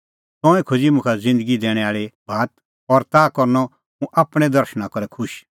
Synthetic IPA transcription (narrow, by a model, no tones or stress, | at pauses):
t̪ɔ̃ːɛ̃kʰod͡ʒimʊ̃kʰad͡zɪ̃nd̪əɡid̪ɛːɽ̃ɛaːɭibʱaːt̪ | ɔɾt̪aːkɔɾnɔ | mũʔaːpɽ̃ɛ̃d̪ɐɾʃñãkɔɾɛkʰʊʃ